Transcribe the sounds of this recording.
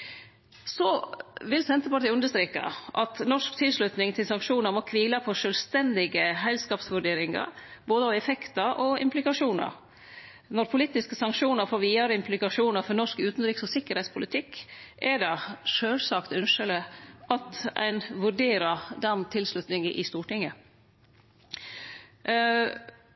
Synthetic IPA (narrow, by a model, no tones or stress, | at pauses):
sɔʋɪlsɛnt̪əpɑʈʰiːʉnd̪əʂt̪ɾeːkɑ̰ʔɑt̪nɔʂkt̪ʰɪlslʉt̪nɪŋt̪ʰɪlsɑŋkʂuːnəɾmɔkʰʋiːlɑpʰɔʂœlst̪ɛnd̪ɪɡəɦɛlskɑːpsʋʉɖeːɾɪŋɑ̰ɾboːd̪əɑʋɛfɛkt̪ɑɾʔɔɪ̰mplɪkɑʂuːnə̰ɾ | nɔɾpʰʊliːt̪ɪskəsɑŋkʂuːnəɾfɔɾʋiːəɾəɪmpʰlɪkɑʂuːnəɾfɔɾnɔʂkʉːt̪nɾiːksɔsɪkːəɾhɛɪtspʰʊlɪt̪ʰɪkːʔɛɖɑʂøːlsɑkt̪ʉnʂələʔɑt̪æ̰ɪnʋʉɖeːɾəd̪ɛnt̪ʰɪlslʉt̪nɪŋəʔɪst̪uːʈɪŋːə